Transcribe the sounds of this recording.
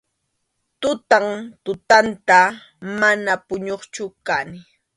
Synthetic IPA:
t̪ʊt̪aŋt̪ʊt̪ant̪a | manapʊɲoχt͡ʃʊkanɪ

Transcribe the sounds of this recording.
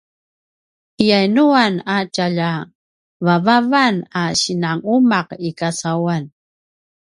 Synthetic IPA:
ijajnuanat͡ʃaʎa | vavavanaɕinaŋumaqikasawan

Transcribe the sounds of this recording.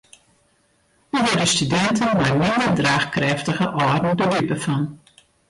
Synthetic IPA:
əʋɔrdəstydɛntənmɛjmɪndərdraːxkrɛftəɣəʔɔdn̩dədipəfɔn

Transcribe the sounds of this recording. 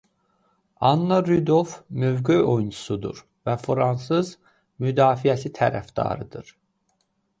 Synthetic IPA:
ɑnːɑɾyd̪ovmøvɡyo̞junʰu̥sud̪ṵɾ | væfɾɑnsɯz | myd̪ɑːfijæsit̪ʰæɾæ̰fd̪ɑ̰ɾɯd̪ɯɾ̥

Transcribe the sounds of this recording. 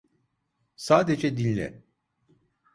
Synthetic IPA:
saːd̪ed͡ʒɛd̪inʲːɛ̰

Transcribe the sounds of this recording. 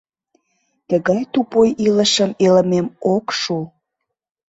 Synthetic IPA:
t̪əɣɑjt̪upojiləʃəmeləmemokʃu

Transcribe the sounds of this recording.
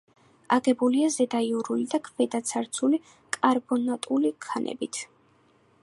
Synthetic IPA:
aɡɛbuliazɛd̪aiuɾulid̪akʰvɛd̪at̪sʰaɾt̪sʰuli | kʼaɾbɔnat̪ʼulikʰanʔɛ̰bḭt̪ʰ

